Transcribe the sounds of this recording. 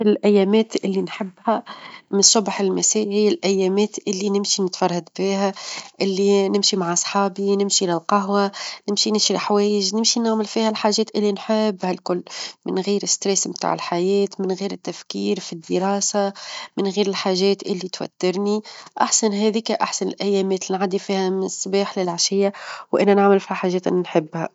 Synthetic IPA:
lʔæjːɛːmɛːt̪ʔɪlːinħɪbːhæmɪnsːʊbħɪlmæsiːhɪjːælʔæjːɛːmɛːt̪ʔɪlːinɪmʃinɪt̪fɑrˤːɑd̪biːɦæʔɪlːinɪmʃimaʕʔɑsˤħɑːbinɪmʃilɪlqɑɦwanɪmʃinɪʃilɪħawɛːjɪʒnɪmʃinaʕmɪlfiːhælħaːʒːɛːt̪ʔɪlːinħebːhælkʊlːmɪnɣiːɾɪst̪ɾɛsmt̪a̰ːʕɪ̰lħajɛːt̪mɪnɣiːɾɪt̪ːæfkiːɾfid̪ːəɾɑːsamɪnɣiːɾɪlħaːʒɛːt̪ʔɪlːit̪wæ̰t̪ːɪɾˤniʔa̰ħsanɦɛːðikaʔaħsanɪ̰lʔæjːɛːmɛːt̪linʕad̪ifiːhæmɪsˤːbiːħlɪlʕaʃɪjːawʔænːænɪʕmɪlfihæħaːʒːɛːt̪ʔɪ̰nːinħɪbːhæ̰

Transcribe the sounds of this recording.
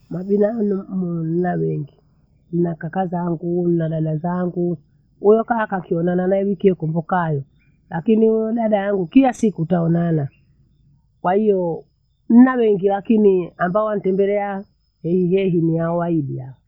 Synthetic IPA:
maɓinanum̩mun̩nawɛŋɡi | n̩nakakazaŋɡun̩naɗaɗazaŋɡu | ujɔkakakiɔnananaɛwikiɛkɔmbɔkajɔ | lakiniujɔɗaɗajaŋɡukilasikutaɔnana | kwahijɔ | n̩nawɛŋɡilakiniambaɔwan̩tɛmbɛlɛa | hɛhiɦɛɦiniaɔwaiɗia̰ɔ

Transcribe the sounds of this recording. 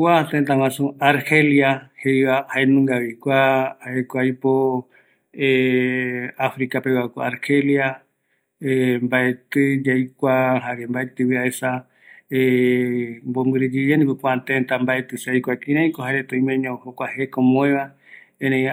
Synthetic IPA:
kʷat̪ent̪aw̃ãsuaɾheljahejβahaenũŋɡaβikʷaaekʷajpo | e | afɾikapewako̰aɾhelja | embaet̪ɨd͡ʒajkʷaɦaɾembaet̪ɨwiaesa | e | mbombɨɾed͡ʒid͡ʒenipɨkʷat̪ent̪ambaet̪ɨsajkʷakĩɾãĩkohɦaɾet̪õĩmẽɲõhokʷahekomõẽβa | ẽnẽ

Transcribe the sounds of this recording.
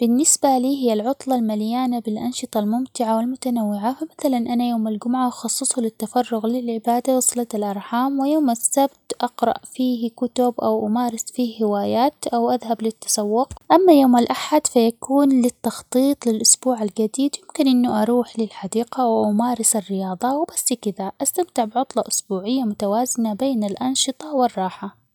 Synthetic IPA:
b̥ɪnːɪsbaliːɦɪjːalʕʊt̪ˤlɑlmaljaːnabɪlʔɑnʃɨt̪ˤɑlmʊmt̪ɪʕawɪlmʊt̪anawːɪʕafamaθalanʔanajoːmald͡ʒʊmʕaʔɑxɑsˤːɨsˤhʊlɪt̪ːafɑrˤːʊɣlɪlʕɪbaːd̪awɑsˤlɑt̪alʔɑɾˤħaːmwɪjoːmasːabt̪ʔɑqɾˤɑ̰ʔfiːhkʊt̪ʊbʔawʔamaːɾɪsfiːhhɪwaːjaːt̪ʔawʔaðɦablɪt̪ːḁsɑwːʊqʔamːajoːmalʔaħad̪fajakuːnlɪt̪ːɑxt̪ˤiːt̪ˤlɪlʔʊsbuːʕald͡ʒad̪iːd̪jɪmkɪnʔɪnːʊʔɑɾˤuːħlɪlħad̪iːqawɪʔamaːɾɪsarːɪjɑːðˤɑwɪbasːkɪðaʔast̪amt̪ɪʕbʕʊt̪ˤlɑʔʊsbuːʕɪjːamʊt̪awaːzɪnabeːnalʔɑnʃɨt̪ˤɑwɪrˤːɑːħa

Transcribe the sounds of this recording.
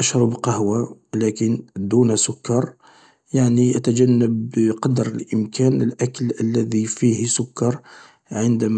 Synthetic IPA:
ʔaʃɾˤɑbqɑhwa | lækənd̪unsʊkːɑɾˤ | jaʕniʔæt̪æd͡ʒænːəbqɑd̪ɾəlʔəmkʰænəlʔæklʔəlːæðifihsʊkːɑɾˤ | ʕənd̪æm

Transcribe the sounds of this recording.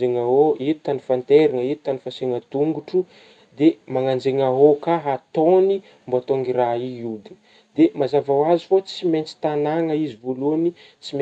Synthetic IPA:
eŋaɦoitit̪anifant̪eɾiŋəit̪i̥t̪anifaseŋət̪uŋɡuʈ͡ʂu | d̪emaŋand͡ʒeŋaɦokaɦat̪oni | mboat̪oŋiɾaiud̪ini̥ | d̪emazavawazifot͡siment͡si̥t̪anaŋəizivoluni | t͡sime

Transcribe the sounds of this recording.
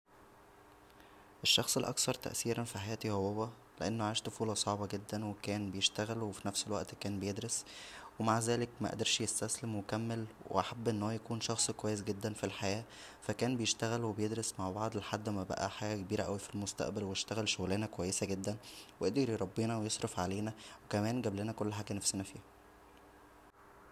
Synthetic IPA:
ʔeʃːɑxsˤelʔɑ̰ksɑɾˤt̪æ̰ʔsiːɾænfiħajæːt̪ihowæwːæ | leʔenːoʕaːʃt̪ofuːlɑsˤɑʕbɑɡed̪ːænwekæːnbejeʃt̪æɣælwefinæfselwæ̰ʔt̪kæːnbejed̪ɾoswemaʕzæːlekmæʔæ̰d̪ɑɾˤʃjest̪æslemwekæmːelwḛʔaħabːʔenːhowæjækuːnʃɑxsˤkowæjːesɡed̪ːænfilħajæː | fækæːnbejeʃt̪æɣælwebejed̪ɾesmaʕbɑʕd̪ˤelħad̪ːmæbæ̰ʔæ̰ħaɡækebiːɾæʔæ̰wifilmost̪æ̰ʔbælwejeʃt̪æɣælʃoɣleːnækowæjːesæɡed̪ːænweʔed̪eɾiɾˤɑbːiːnæwejesˤɾˤefʕaleːnæwekæmæːnɡæblenækolːħaːɡænæfsenæfiːhæ

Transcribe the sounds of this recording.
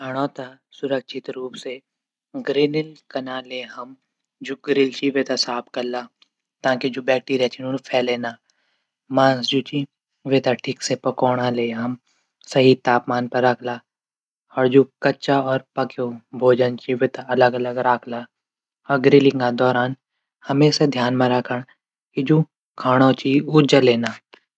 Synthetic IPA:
ɐɽ̃ɔːt̪a | sʊɾəkʃʰɪt̪ɾuːpse | ɡɾɪnɪlkɐnaleɦɐm | d͡ʒoːɡɾɪlt͡ʃiʋet̪asaːp̚ʰkɐɾla | t̪ãːkid͡ʒoːbɛːk̚ʈiːɾijat͡ʃʰinʊnpʰɛːleːnaː | mãːsd͡ʒuːt͡ʃi | ʋeːt̪aʈʰiːksepɐkɔːɽ̃aleːɦɐm | sɐɦit̪aːpmaːnpɐɾːɐkʰla | ɔːɾd͡ʒuːkɐːt͡ʃaɔːɾpɐkobʱoːd͡ʒənt͡ʃiʋeːt̪aɐləɡɐləɡɾaːkʰla | ɔːɾɡɾɪlɪŋkad̪ɔːɾaːn | hɐmeːsad̪ʱjaːnmẽɾɐkʰəɽ̃ | kid͡ʒo | kʰaːɽ̃ot͡ʃiʊd͡ʒaleːnaː

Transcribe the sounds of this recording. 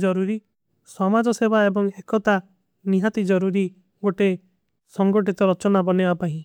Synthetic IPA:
d͡ʒɔɾuɾi | sɔmad͡ʒɔsebaebɔŋekɔt̪a | niɦat̪id͡ʒɔɾuɾi | ɡoʈe | sɔŋɡɔʈit̪ɔɾɔt͡ʃɔnabɔnebapaĩ

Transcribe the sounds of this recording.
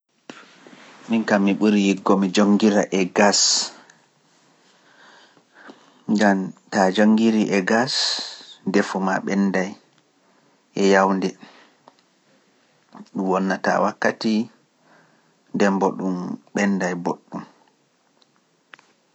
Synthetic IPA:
miŋkamːiɓuɾijiɡːɔmid͡ʒoŋɡiɾaʔɛɡas | ɡamtad͡ʒoŋɡiɾiʔɛɡas | dɛfuma̰ɓɛnːdaj | ʔɛjawndɛ | ɗumwɔnːata̰wakːati | ndɛmbɔɗumɓɛndajboɗːum

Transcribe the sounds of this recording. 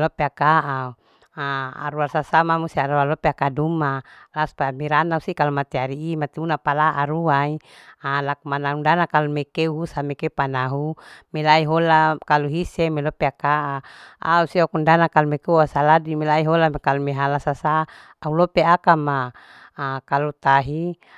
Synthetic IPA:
lopeakaʔa | aa̰ɾuarsasamamust̪iaɾualopeakadumalaspaamiɾanausikalumat̪iaɾiːmat̪iunapalaaɾuai | alakumanaundanakalumekeuɦusamɛkeupanaɦumelaiɦolakaluɦisemelopeakaʔaa̰usiɔkundanakalumekeuasaladimelaiɦolamkalumeɦalasasaː | ulopeakamaː | kalut̪aɦi

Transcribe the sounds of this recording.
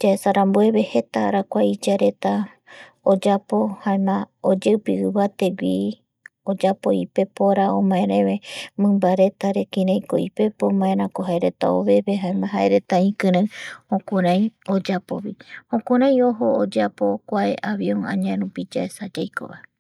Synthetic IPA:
d͡ʒaesaɾambue̞βe̞he̞t̪aɾakʷaid͡ʒaɾe̞t̪a | od͡ʒapo̞haemãod͡ʒewpɨɨβat̪e̞wʷi | od͡ʒapo̞ipe̞poɾaomãẽɾẽβemɨ̃mbaɾe̞t̪aɾekĩɾãjkoipe̞pomãẽɾãkoɦaeɾe̞t̪a̰oβe̞βeɦaemãɦaʔeɾet̪aĩkɨ̃ɾãhõkõɾãj̃od͡ʒapo̞βihõkõɾ̃ãj̃o̞ɦo̞od͡ʒapo̞kʷaeʔaβio̞ŋã̰ɲãeɾupid͡ʒaesad͡ʒajko̞̰βa̰e

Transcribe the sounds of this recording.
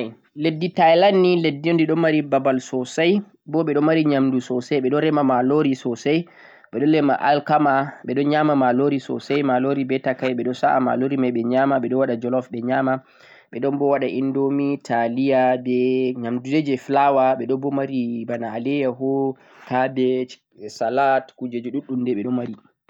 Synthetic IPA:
n | ledːitajlanːiledːiɔndɛɗɔnmːaɾibabalsɔsaj | bɔɓɛɗɔmaɾiɲamdusɔsajɓɛɗɔnɾɛmamaloɾisɔsaj | ɓɛɗɔnlɛma̰ʔalkamaɓɛɗɔnɲamamaloɾisɔ̰sajmaloɾibɛtakajɓɛɗɔsaʔama̰loɾimajɓɛɲamaɓɛɗɔwaɗad͡ʒɔlɔfɓɛɲama | ɓɛɗɔnbɔwaɗaʔindomitʰalijabɛɲamduded͡ʒɛflawaɓɛɗɔbɔmaɾibanaːlɛjaɦɔ | kʰabɛ | salatkud͡ʒed͡ʒɔɗuɗːumdɛɓɛɗɔmaɾi

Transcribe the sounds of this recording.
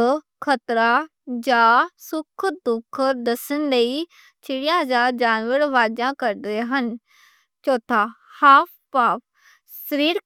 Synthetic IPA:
kʰət̪ɾa | d͡ʒaːsʊkʰd̪ʊkʰd̪ɐsənləiː | t͡ʃʰɪɽijãːd͡ʒaːɾd͡ʒaːnʋəɾʋaːd͡ʒãːkəɾd̪eːɦən | t͡ʃoːt̪ʰahaːp̚ʰ | paːp̚ʰ | səɾiːɾ

